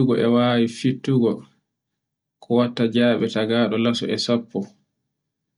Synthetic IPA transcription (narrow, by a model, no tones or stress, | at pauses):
uɡɔʔɛwaːwifitːuɡɔ | kʰɔwatːad͡ʒaːɓɛtaɡaːɗɔlasɔʔɛsapʰːɔ